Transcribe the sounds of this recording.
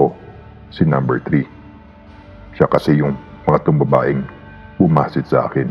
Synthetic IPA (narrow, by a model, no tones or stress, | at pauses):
o | sɪnɐmbɛɹt̪ɾi | ʃakɐsɛjʊŋmɐŋat̪ʊŋbɐbaːʔɪŋ | bʊmaːsɪt̪sɐʔa̰ːkɛn